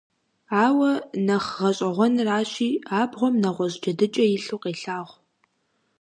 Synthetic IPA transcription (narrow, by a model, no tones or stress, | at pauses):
aːwɐnɐχʁɐɕʼɐʁʷɔnraːɕiːaːbʁʷɔmnɐʁʷɔʑd͡ʒɐdɨt͡ʃʼɐjɪɬuːqeːɬaːʁʷ